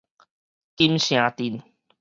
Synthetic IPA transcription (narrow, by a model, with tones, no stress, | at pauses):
ki˦msĩ˨ã˨t̪i˨n